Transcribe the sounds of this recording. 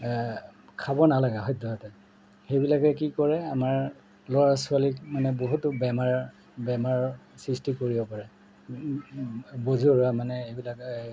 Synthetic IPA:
kʰabɔnalaɡaɦɔjdɔɦɔtɛ | xejbilakɛkikɔɹɛamaɹ | lɔɹasualikmanɛboɦutʊbɛmaɹ | bɛmaɹsɹistikoɹibɔpaɹɛ | bozoɹamanɛejbilak

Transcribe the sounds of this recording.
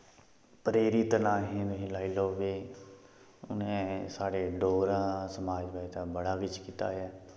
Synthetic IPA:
pɾeːɾit̪nãːɦẽːt̪ɦĩːlaːiloːʋeː | ʊ̰nẽsaːɽeːɖoːɾãːsəmaːd͡ʒbait̪aːbəɽaːʋɪt͡ʃkiːt̪a̰ːjaː

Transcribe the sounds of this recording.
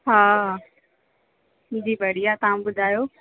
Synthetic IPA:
ɦaː | d͡ʑiːbʱɐɽijat̪ɐɦãbʊd̪ʱaːjoː

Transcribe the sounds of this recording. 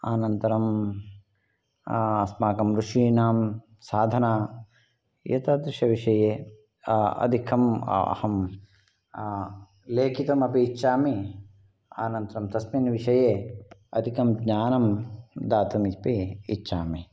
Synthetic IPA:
aːnɐnt̪ɐɾɐm | ɐsmaːkɐmɾuʂiːnaːm | saːd̪ʱɐnaː | jɐ̰t̪ɐd̪ɾiʃɐʋiʂɐjeː | ɐ̰d̪ʱikʰɐmɐ̰hɐm | leːkʰit̪ɐmɐpiːt͡ʃːʃaːmi | a̰ːnɐnt̪ɐɾɐmt̪ɐsminʋiʃɐjeːɐ̰d̪ʱikɐmɡɲaːnɐmd̪aːt̪umipiːt͡ʃːʃʰaːmi

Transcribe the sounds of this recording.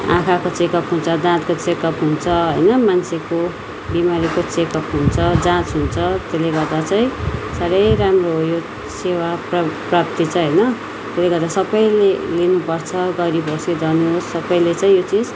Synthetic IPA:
ã̰kʰakot͡sekʌpɦunt͡sʰʌd̪ãt̪kot͡sekʌpɦunt͡sʰʌɦʌjnʌmanseko | bimaɾikot͡sekʌpɦunt͡sʰʌd͡zãt͡sɦunt͡sʰʌt̪eleɡʌrd̪at͡saĩsaɾʌjramroɦjo | sewaprprap̚t̪it͡sʰʌɦʌjnʌ | t̪eleɡʌrd̪asʌbʌjlelinupʌrt͡sʰʌɡʌɾibʱosed͡zʌnuɦosːʌbʌjlet͡saĩjot͡sid͡z

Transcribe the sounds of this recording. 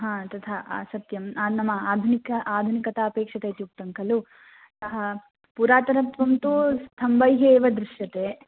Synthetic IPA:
ɦãːt̪ɐt̪ʰaʔa̰ːsɐt̪jɐmanɐmːɐaːd̪ʱunikɐʔaːd̪ʱunikɐt̪ɐɐpeːkʂɐt̪et̪iuk̚t̪ɐŋkɐlu | t̪ɐɦɐ | puɾaːt̪ɐɾɐt̪ʋɐmt̪ust̪ʰɐmbɐjɦeːʋɐd̪ɾuʃjɐt̪eː

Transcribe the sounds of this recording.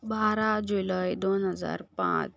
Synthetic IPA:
baɾad͡ʑulajd̪onɦəd͡za̰ɾpã̰t͡s

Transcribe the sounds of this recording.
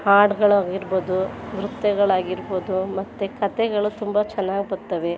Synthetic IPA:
haːɖɡɐɭaːɡiɾboːd̪uʋɾut̪ːɛɡɐɭaːɡiɾboːd̪umɐt̪ːekɐt̪ɛɡɐɭut̪umbɐt͡ʃɛnːaːɡipɐɾt̪ːɐʋe

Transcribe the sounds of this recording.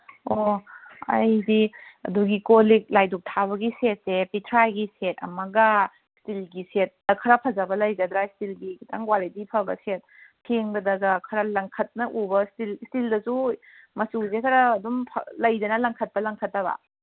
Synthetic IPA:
o | ɐ̰jdiɐ̰duɡikolik̚lajduk̚tʰaβɐɡiset̚sepitʰɾajɡiset̚ɐ̰mɐɡɐ | stilɡiset̚ːɐkʰɐɾɐpʰɐzɐbɐlɐjɡɐd̪ɾaistilɡiktʰa̰ŋwalitipʰɐbɐ̰set̚kʰeŋbɐdɐɡɐkʰɐɾɐlɐŋkʰɐt̚nɐʔubɐstilstildɐsu | mɐsuzekʰɐɾɐːdumpʰlɐjdɐnɐlɐŋkʰɐt̚pɐlɐŋkʰɐtːɐbɐ̰

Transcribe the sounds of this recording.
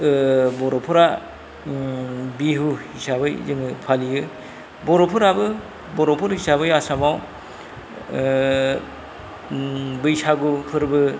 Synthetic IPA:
bɔɾopʰɯɾa | biɦuhisabɯjzɯŋɯpʰalijɯ | bɔɾopʰɯɾabɯ | bɔɾopʰɯɾhisabɯjasamaw | bɯjsaɡupʰɯɾbɯ

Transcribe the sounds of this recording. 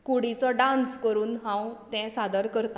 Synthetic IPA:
kuɽit͡sɔɖãnskəɾuːnɦãwt̪ɛ̃sad̪əɾkəɾt̪ã

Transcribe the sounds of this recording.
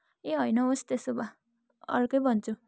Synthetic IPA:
eɦʌjnʌost̪esoba | ʌ̰rkʌjbʱʌnt͡sʰu

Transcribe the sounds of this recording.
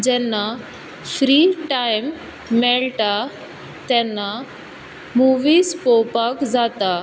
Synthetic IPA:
d͡ʑɛnːa | fɾiːʈajmː | ɛɭʈa | t̪ɛnːa | muʋiːspɔpakd͡zat̪a

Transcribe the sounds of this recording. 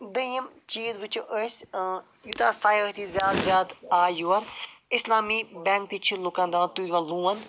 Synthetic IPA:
d̪əəm | t͡ʃiːzʋɪt͡ʃoʔəs | jut̪aːsaːjət̪iːzjaːd̪zjaːd̪aːjuɐɾɪslaːmiːbɛ̃ːŋk̚t̪iːt͡ʃʰilukãːnd̪aːnt̪ud̪ʋaluːən

